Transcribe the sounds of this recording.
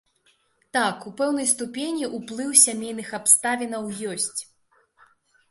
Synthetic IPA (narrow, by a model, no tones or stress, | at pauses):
t̪akupɛwn̪ɐjst̪upʲenʲiʔuplˠɨwsʲamʲejnɨxapst̪avʲinɐwjɔsʲt͡sʲ